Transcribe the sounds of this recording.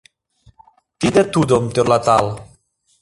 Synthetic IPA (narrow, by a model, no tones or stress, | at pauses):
t̪id̪et̪ud̪omt̪eɾlat̪alˠ